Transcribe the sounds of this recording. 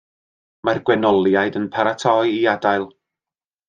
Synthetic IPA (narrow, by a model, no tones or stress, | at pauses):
marɡwɛnɔlˠjajdənpʰaɾatʰɔɨiadaɨlˠ